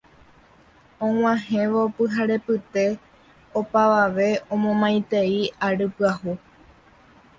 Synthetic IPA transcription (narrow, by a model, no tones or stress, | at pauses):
õŋ̃ʷãhẽ̞ʋopɨɦaɾe̞pɨt̪e̞ | opaʋaʋe̞õ̞mõmãj̃t̪e̞iaɾɨpɨahu